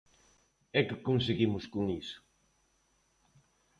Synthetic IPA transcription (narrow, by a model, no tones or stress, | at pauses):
ɛkɪkoŋseɣimʊskoŋisʊ̥